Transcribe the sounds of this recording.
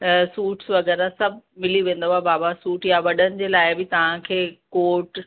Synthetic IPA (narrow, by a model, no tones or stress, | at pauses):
suːʈsʋɐɣɛːɾasɐbʱmɪliʋẽːn̆d̪oɦabaːbasuːʈjaʋɐɗənɪ̆d͡ʑeːlaːɪbɪt̪ɐʋ̤ãkʰeːkoːɾʈ